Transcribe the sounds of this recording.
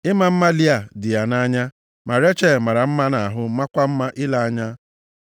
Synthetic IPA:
ɪ˦ma˨m̩˦ma˦li˦a˨dɪ˨ja˨na˦ɲa˦ | ma˨ɾe˦t͡ʃe˦˨ma˨ɾa˨m̩˦ma˦na˨ɦʊ˦ma˦kʷa˦m̩˦ma˦ʔɪ˦la˨a˦ɲa˦

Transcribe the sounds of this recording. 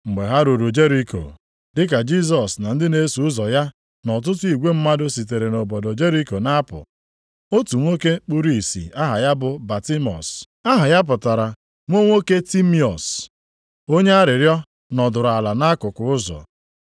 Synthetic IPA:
ŋ͡m̩˨ɡ͡be˨ɦa˦ɾu˨ɾu˨d͡ʒe˦ɾi˦ko̰˨ | dɪ˦k̬a˨d͡ʒi˦s̬ɔ˨sna˨n̩˦dɪ˦ne˦su˨ʊ˦zɔ˨ja˦ | nɔ˨t̬ʊ˦t̬ʊ˦i˨ɡʷe˦m̩˦ma˦dʊ˦si˨t̬e˨ɾe˨no˨bɔ˨do˨d͡ʒe˦ɾi˦ko˨na˦pʊ̰˨ | o˦tu˨ŋʷo˦ke˦k͡pu˦ɾi˨sḭ˨a˦ɦa˨ja˦bʊ˨ba˨ti˦mɔ̰˨s | a˦ɦa˨ja˦p̬ʊ˨ta˨ɾa˨ | ŋʷo˦ŋʷo˦ke˦ti˦mi˦ɔ˨s | o˦ɲe˦a˦ɾɪ˨ɾjɔ˦ | nɔ˨dʊ˨ɾa˨la˨na˦kʊ˨kʊ˨ʊ˦zɔ̰˨

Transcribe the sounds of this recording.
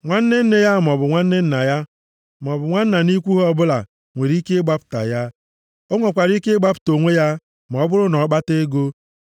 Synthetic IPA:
ŋʷa˦n̩˦ne˦n̩˦ne˦ja˦˨m˨ɔ˨bʊ˨ŋʷa˦n̩˦ne˦n̩˦na˨ja˦ | m˨ɔ˨bʊ˨ŋʷa˦n̩˦na˨ni˦kʷu˦ɦɔ˦bʊ˦la̰˨ | ŋʷe˨ɾi˦ke˦ɡ͡ba˦pta̰˨ja˦ | o˦ŋʷɔ˨kʷa˨ɾi˦ke˦ɡ͡ba˦pto˨ŋʷe˦ja˦ | m˨ɔ˨˦bʊ˦ɾʊ˦nɔ˨˦ɡ͡ba˦te˦ɡo˦

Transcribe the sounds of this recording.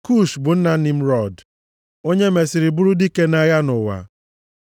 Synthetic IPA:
ku˦ʃbʊ˨n̩˦na˨˦i˨m̩˦ɾɔ˨d | o˦ɲe˦me˨sɪ˨ɾɪ˨bu˦ɾu˦di˦ke˦na˦ja˦nʊ˨wa̰˨

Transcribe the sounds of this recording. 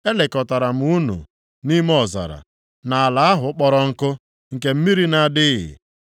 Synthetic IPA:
e˦lɪ˨kɔ˨ta˨ɾa˨m̩˦u˦nṵ˨ | ni˦m˦ɔ˨za̰˨ɾa̰˨ | na˨a˨la˨a˦ɦʊ˨˦k͡pɔ˦ɾɔ˦ŋ̩˨kʊ˦ | ŋ̩˨ke˨m̩˦mi˦ɾi˦na˨dɪ˦ɣɪ̰˨

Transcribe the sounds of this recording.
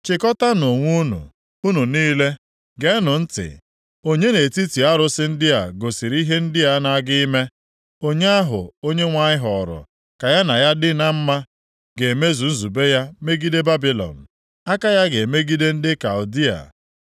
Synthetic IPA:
t͡ʃɪ˨kɔ˦ta˦no˨ŋʷu˦nṵ˨ | u˦nu˨niː˦le˦ | ɡe˨˦nʊ˨n̩˦tɪ̰˨ | o˦ɲe˦ne˨ti˦ti˨a˦ɾʊ˦sɪ˦n̩˦dɪ˦a̰˨ɡo˨si˨ɾi˦ɦe˦n̩˦dɪ˦ja˦na˨˦ɡɪ˦i˦me˦ | o˦ɲe˦a˦ɦʊ̰˨o˦ɲe˦ŋʷa˨ɲɪ˦ɦɔ˨ɾʊ̰˨ | ka˨ja˦na˨ja˦dɪ˦na˦m̩˦ma˦ | ɡe˨me˦zu˨n̩˦zu˨be˦ja˦me˦ɡi˦de˦ba˦bi˨lɔ̰˨n̩˨ | a˦ka˦ja˦ɡe˨me˦ɡi˦de˦n̩˦dɪ˦ka˨ʊ˨di˦a̰˨

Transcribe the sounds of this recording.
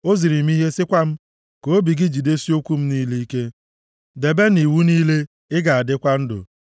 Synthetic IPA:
o˦zi˨ɾi˨m̩˦i˦ɦe˦sɪ˦kʷa˦m̩˦ | ko˨˦bi˨ɡɪ˦d͡ʒi˨de˦si˦o˦kʷu˦m̩˦niː˦le˦i˦ke˦ | de˨be˦ni˨wu˦niː˦le˦ | ɪ˦ɡa˨a˨dɪ˦kʷa˦n̩˦dʊ̰˨

